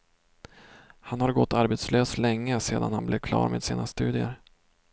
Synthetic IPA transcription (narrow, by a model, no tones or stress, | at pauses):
hanhaɾɡɔt̪ːaɾbet̪sløːslɛŋːəseːd̪anhanblevkʰlɑ̰ːɾmeːd̪siːnast̪ʉ̟ːd̪ɪəɾ